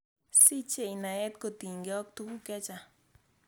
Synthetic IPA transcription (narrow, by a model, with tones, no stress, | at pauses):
si˦t͡ʃe˦i˨na˨ɛ˦t̪ko˦˨t̪i˨ɲɡe˦ɔ˦k̚t̪u˦ku˦kɛ˦t͡ʃa˨